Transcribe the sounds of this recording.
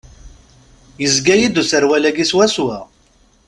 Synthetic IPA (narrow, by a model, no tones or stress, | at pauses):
jəzɡæjid̪usəɾwælæɡiswæswæ